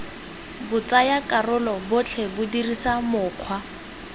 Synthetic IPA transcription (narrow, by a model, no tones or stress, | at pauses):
bʊt͡sajakʼarʊlɔbʊt͡ɬʰebʊdirisamʊːq͡χʰwa